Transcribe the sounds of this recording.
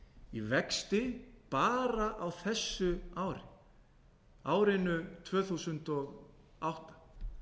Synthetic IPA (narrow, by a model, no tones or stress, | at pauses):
ivɛkst̪ɪpaːɾaʔawθɛsːʏaːwɾɪ̰ | aːwɾɪnʏt̪ʰvœːθusʏnt̪ɔɣ | awht̪ḁ